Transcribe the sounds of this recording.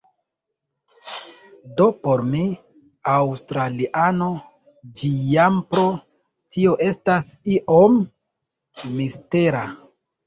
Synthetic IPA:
dopo̞ɾmi | awstɾaliʔano̞ | d͡ʒijampɾo̞ | tʰio̞ʔe̞stasiʔom | iste̞ɾa

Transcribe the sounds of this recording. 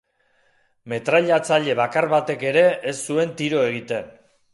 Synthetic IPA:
me̞t̪ɾaʎat͡saʎe̞βakaɾβat̪e̞ke̞ɾe̞ʔesːue̞nt̪iɾo̞e̞ɣit̪e̞n

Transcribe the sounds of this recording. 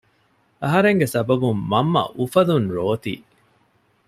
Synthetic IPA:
ɐɦɐɾeŋɡesɐbɐbumːɐmːɐ̰ʔufɐlunɾoːt̪ḭː

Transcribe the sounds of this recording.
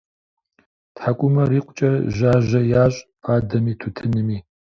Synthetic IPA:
tħakʷʼʊmɐriːqʷʊt͡ʃʼɐʒaːʒɐjaːɕʼpʰaːdɐmiːtʰutʰɨnɨmiː

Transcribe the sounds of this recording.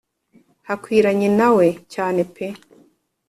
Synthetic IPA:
hakwiɾaɲinawɛt͡ʃaːnɛpʰe

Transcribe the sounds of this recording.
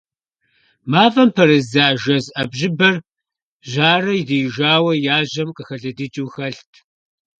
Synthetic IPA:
maːvɐmpʰɐɾɨzaːʒɐzʔɐbʑɪbɐr | ʑaːrɐidiːʒaːwɐjaːʑɐmqʼəxɐɮɐdɨt͡ʃʼuːxɐɬtʰ

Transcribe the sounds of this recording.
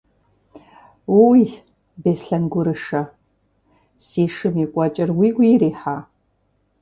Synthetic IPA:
wowi | beːsɬɐnɡʷʊɾɨʂɐ | siːʂɨmikʷʼɔt͡ʃʼɪrwiːɡʷiɾiːħaː

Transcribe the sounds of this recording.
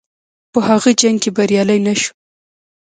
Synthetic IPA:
pəhaɣod͡ʒaŋɡkebaɾjɑləjnaʃu̥

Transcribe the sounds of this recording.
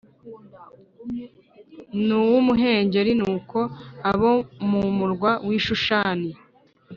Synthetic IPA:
nuwumuɦe̞ːɲɟe̞ɾinuːko̞aβomumuɾɡwawiːʃuʃaːni

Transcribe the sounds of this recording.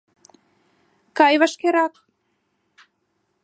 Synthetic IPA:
kɑjβɑʃkeɾɑk̚

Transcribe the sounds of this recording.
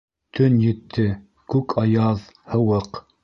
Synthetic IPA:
t̪ʰɵnjɘ̆t̪ʰːɘ | kʉkʰɑjɑð | hɤ̆wɤq

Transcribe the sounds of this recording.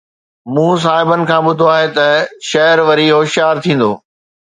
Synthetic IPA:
mũːs̬aːɦɪbənɪ̆kʰãːɓʊd̪ʱoaːɦet̪ɐʃɐɦɾʋɐɾiɦoːʃjaːɾt̪ʰĩːn̆d̪oː

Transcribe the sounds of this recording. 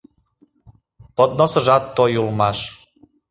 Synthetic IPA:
pod̪nosə̆ʒɑt̪ːojulmɑʃ

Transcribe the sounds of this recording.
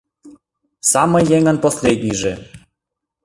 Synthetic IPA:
samɤjːeŋə̆nposʲlʲed̪ʲnʲijʐɘ

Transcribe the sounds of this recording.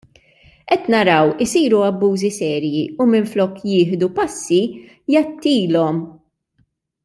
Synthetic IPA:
ʔɛt̪nɐɾɐwɪsiːɾuɐbːuːzisɛːɾjiumɪnflɔːkːjɪːħd̪upɐsːi | jɐt̪ːiːlɔm

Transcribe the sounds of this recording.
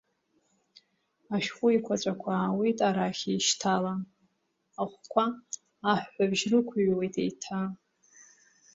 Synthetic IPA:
aʃχʷʼʊikʷʰat͡ɕʷʼakʷʰawitʼaɾaχʲejʃtʰala | aχʷkʷʰaː | ħːʷabʒrɨkʷʰɥwejtʰḛjtʰa

